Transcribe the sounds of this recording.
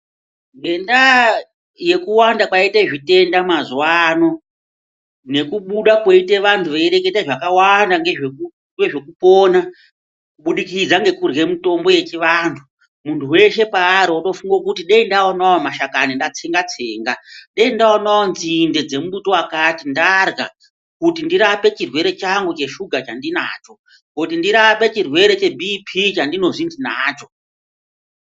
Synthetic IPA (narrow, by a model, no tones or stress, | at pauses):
ŋɡe̞nda | je̞kuwandakwaiteʐite̞ndamazwano̞ | ne̞kuɓuɗakweiteʋantʰuʋeiɾe̞ketaʐakawandaŋɡeʐek | ŋɡeʐe̞kupoːna | kuɓuɗikid͡zaŋɡe̞kurɣe̞mito̞mbo̞je̞t͡ʃiʋaːntʰu̥ | muntʰuwe̞ʃe̞paːɾioɗo̞fuŋɡok̬utiɗeindaonaomaʃakanindat͡seŋɡat͡seːŋɡaɗeindaonawonzinde̞d͡ze̞muɓuto̞wakatindarɡa | kutindiɾape̞t͡ʃirwe̞ɾe̞t͡ʃaŋɡut͡ʃe̞ʃuɡʱat͡ʃandinaːt͡ʃo̞ | kot̬indiɾape̞t͡ʃirwe̞ɾe̞t͡ʃe̞bʱipʰit͡ʃandino̞ʐind͡zinaːt͡ʃo̞